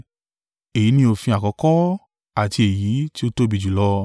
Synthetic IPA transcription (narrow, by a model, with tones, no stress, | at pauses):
e˨i˨˦nĩ˦o˧fĩ˧a˨kɔ˨˧˦kɔ˦ | a˨ti˧e˨ji˨˦ti˦o˦˧to˦bi˧˨d͡ʒu˨lɔ˧